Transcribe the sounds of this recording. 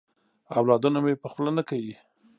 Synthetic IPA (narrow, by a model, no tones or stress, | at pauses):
awlɑd̪unamepəxlanakawi